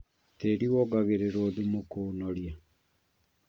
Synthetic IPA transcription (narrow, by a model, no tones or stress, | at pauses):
teɾiwɔɡaɣeɾeɾoɔðumokoːnɔɾja